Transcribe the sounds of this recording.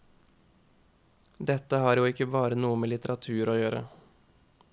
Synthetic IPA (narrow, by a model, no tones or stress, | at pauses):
d̪ɛt̪əhɑːɾjuːɪkːəbɑːɾənuːəmeːlɪt̪əɾɑt̪ʰʉːɾoːjøːɾə̰